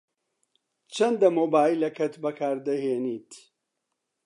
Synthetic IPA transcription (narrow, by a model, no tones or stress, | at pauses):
t͡ʃʰɐnd̪ɐmoːbaːilːɐkʰɐt̪bɐkʰaːɾd̪ɐheːniːt̪